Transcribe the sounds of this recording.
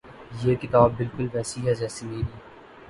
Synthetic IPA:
jeːkɪt̪aːbːɪlkʊlʋɛːsiɦɛd͡ʒɛːsimeːɾiː

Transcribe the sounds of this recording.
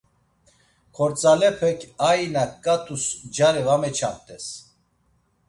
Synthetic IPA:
kʰɔɾt͡sʼalɛpʰɛkʰainakːʼat̪ʰʼusd͡ʒaɾivamɛt͡ʃʰamt̪ʼɛs

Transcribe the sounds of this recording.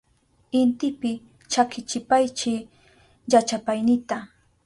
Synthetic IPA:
ɪnt̪ɪpɪ | t͡ʃakɪt͡ʃɪpajt͡ʃɪ | jat͡ʃapajnɪt̪a

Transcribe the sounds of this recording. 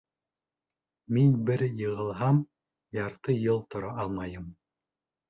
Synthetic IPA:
minbɘ̆ɾjɤ̆ʁɤ̆lˠɦɑm | jɑɾt̪ɤjɤlˠt̪ŏɾɑʔɑlˠmɑjɤm

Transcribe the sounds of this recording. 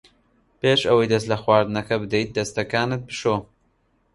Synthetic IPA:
peːʃɐwɐjd̪ɐs̬t̪lɐxwaːɾd̪ɨnɐkɐbɨd̪ejt̪̚d̪ɐst̪ɐkaːnɨt̪̚bɨʃo

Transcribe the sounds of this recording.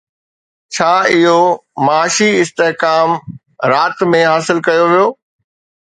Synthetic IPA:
t͡ɕʰaːɪɦomaːʃiɪst̪eɦkaːm | ɾaːt̪mẽɦaːsɪlkɐjoʋijoː

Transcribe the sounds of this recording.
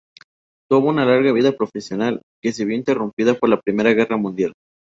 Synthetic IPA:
t̪uβounalaɾɣaβ̞iðapɾo̞fe̞sjo̞nal | ke̞seβjoint̪e̞rumpiðapo̞ɾlapɾime̞ɾaɣe̞ramũnd̪jal

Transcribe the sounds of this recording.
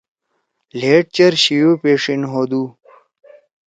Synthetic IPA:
leːʈ̚t͡ɕɐɾɕijopeːʂinɦod̪u

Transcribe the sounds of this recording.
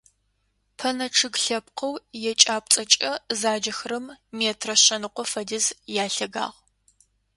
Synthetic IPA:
pʰɐnɐʈ͡ʂʰɨɡɬɐpqʰɐwjɛt͡ʃʼaːp̚t͡sʼɐt͡ʃʼɐzaːd͡ʒɐxrɨmmeːtʰrɐɕɐnɨqʷɔfɐdɨzjaːɬɐɡa̰ːʁ

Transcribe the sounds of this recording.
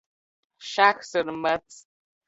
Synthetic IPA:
ʃaxsɨrmɐt͡sʰʼ

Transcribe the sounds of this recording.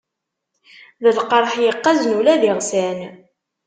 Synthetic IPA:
ðəlqəɾˤħjəqːɑznulæðiʁsæn

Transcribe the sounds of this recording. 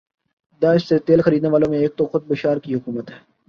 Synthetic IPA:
d̪aːɪʃset̪eːlxɐɾiːd̪neʋaːlõmẽeːk̚t̪oxʊd̪̚bɪʃaːɾkiɦʊkuːmət̪ɦɛː

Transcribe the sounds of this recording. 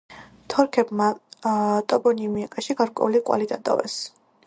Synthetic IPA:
t̪ʰɔɾkʰɛbma | t̪ʼɔbɔnimiakʼaʃiɡaɾkʼwɛ̰uliqʼwa̰lid̪at̪ʼɔ̰vɛ̰s

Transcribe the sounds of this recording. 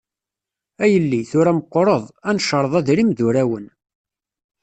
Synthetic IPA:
æjəlːiθʊɾæməqʷːoɾˤəðˤænʃəɾˤðˤæðɾimðuɾæwən

